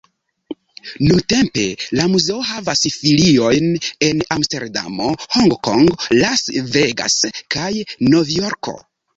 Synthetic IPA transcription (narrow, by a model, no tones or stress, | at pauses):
nunte̞mpe̞lamuze̞ohavasfilio̞jne̞namste̞ɾda̰mo̞hoŋɡkoŋɡlasveɡa̰skajno̞vjo̞ɾkʰo̞̰